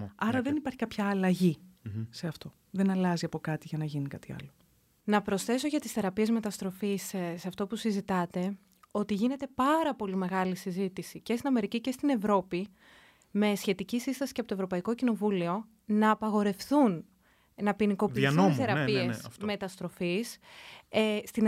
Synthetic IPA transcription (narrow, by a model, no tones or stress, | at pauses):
ɐɾɐðe̞nipɐɾçi̥kɐpçɐːlɐʝise̞ɐft̪o̞ | ðenɐlɐziɐpo̞kɐt̪iʝɐnɐʝinikɐt̪iɐ̰lo | nɐpɾo̞sθe̞so̞ʝɐt̪i̥sθe̞ɾɐpie̞zme̞t̪ɐst̪ɾo̞fisseɐft̪o̞pusizit̪ɐt̪e̞ | o̞t̪iʝine̞t̪e̞pɐɾɐpo̞lime̞ɣɐlisizit̪isice̞st̪inɐme̞ɾicice̞st̪ine̞vɾo̞pi | me̞sçe̞t̪icisist̪ɐsi̥ceɐpot̪ovɾo̞pɐiko̞cino̞vulio̞ | nɐːpɐɣo̞ɾe̞fθun | nɐpiniko̞pisθeɾɐpiesme̞t̪ɐst̪ɾo̞fis | st̪in